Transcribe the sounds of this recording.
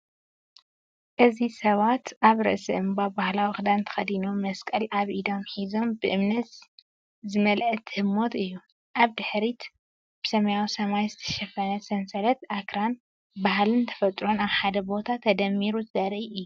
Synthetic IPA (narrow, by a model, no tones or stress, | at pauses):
ʔɨzisɐβat̪ʔaβɾɨ̰ʔsɨ̰ʔɨmbabahlawixɨd̪ant̪ʰɐ̥xɐd̪inumɐskʼɐlʔaβʔid̪o̞mħizo̞mbɨʔɨmnɐt̪ | zɨmɐlʔɨt̪ʰhɨmːo̞t̪ɨjːu | ʔaβd̪ɨħɾit̪ | b̥ɨsɐmɐjawisɐmajzɨt̪ʰɐ̥ʃɐfɐnɐsɐnsɐlɐt̪ʔakɾan | baɦlɨnt̪ʰɐ̥fɐt̪ʼɾo̞naβħad̪ɐbo̞t̪ʰat̪ʰɐd̪ɐmːiɾuzɨzɐɾʔiɨjːu